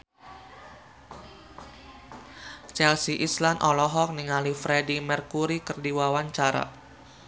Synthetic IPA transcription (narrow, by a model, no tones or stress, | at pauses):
t͡ʃɛlsiʔislanʔɔlɔɦɔk̚niŋalifɾɛdimərkuɾikərdiwawaɲt͡ʃaɾa̰